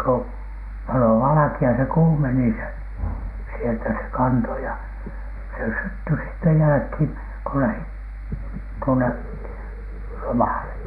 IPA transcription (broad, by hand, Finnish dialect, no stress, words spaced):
ko pɑlo ʋɑlɑ̆kiɑ se kuːmeni se sieltæ se kɑnto jɑ se sytːy sitːe jælæ̆khiːŋ ko læhit tuone lomɑˑle